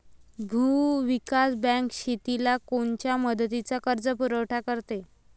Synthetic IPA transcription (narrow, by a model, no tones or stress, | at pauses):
bʱuːʋikasbɛ̃ŋkɕit̪ilakoɳt͡ɕjaməd̪ət̪it͡sakəɾd͡zəpuɾəwʈʰakəɾt̪e